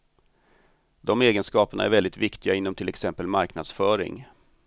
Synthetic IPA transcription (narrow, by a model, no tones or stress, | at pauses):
d̪ɔmeːɡənskɑːpəɳa̰æ̰ɾvɛld̪ɪt̪vɪkt̪ɪɡaɪnːɔmt̪ʰɪlɛksɛmpəlmaɾknad̪sfœːɾɪ̰ŋ